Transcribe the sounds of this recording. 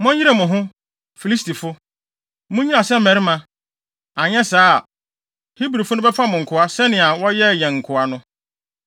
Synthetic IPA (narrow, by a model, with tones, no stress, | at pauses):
mʊ̃˦i˦ɾe˨mʊ̃˨ɦʊ̃˦ | fi˨li˦sti˨fʊ˦ | mʊ̃˦ɲĩ˦ã˨sɛ˦m̩˨mɛ̃˨ɾɪ˦mã˨ | ã˨ɲɛ̃˦saː˦˨ | hi˦bɾi˨fʊ˦nʊ̃˦bɛ˦pʰa˦mʊ̃˨ŋ̩˨kʰʊ˨a˦sɛ˦nɪ̃˨a˨wɔ˦jɛ˦˨jɛ̃˨ŋ̩˨kʰʊ˨a˦nʊ̃˦